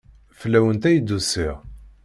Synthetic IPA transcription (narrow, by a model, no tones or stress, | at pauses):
fəlːæwənt̪æjəd̪ːusiʁ